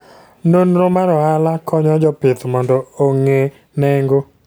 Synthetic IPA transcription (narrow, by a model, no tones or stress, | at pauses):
nonɾomaɾɔalakʰɔɲɔd͡ʒɔpɪt̪mɔndɔoŋe | nɛŋɡo